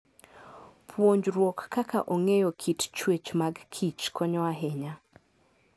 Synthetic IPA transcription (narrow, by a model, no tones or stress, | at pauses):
pʰwoɲd͡ʒrwokːaka̰ʔoŋejokʰitt͡ʃwet͡ʃmaɡkʰit͡ʃkʰɔɲɔwaɦeɲa